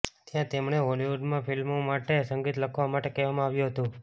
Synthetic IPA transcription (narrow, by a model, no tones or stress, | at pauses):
t̪jãt̪emɳ̃eɦoliʋuɖmãfʰilmomaʈesəŋɡit̪ləkʰʋamaʈekɛʋamãaʋjũɦət̪ũ